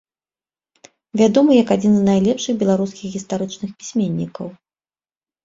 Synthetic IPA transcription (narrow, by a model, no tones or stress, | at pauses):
vʲad̪ɔmɨjɐkad͡zʲinznajlʲɛpʂɨɣbʲɛlˠaɾuskʲixɣʲist̪aɾɨt͡ʂnɨxpʲi̥sʲmʲenʲːikɐw